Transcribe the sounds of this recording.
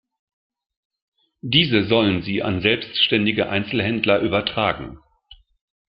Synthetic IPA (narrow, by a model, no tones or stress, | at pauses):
d̥iːzəzɔlənziːʔa̰nzɛlpstʃtɛndɪɡəʔa̰ɪnt͡sl̩ɦɛndlɐʔyːbɐtʁ̥aːɡŋ̩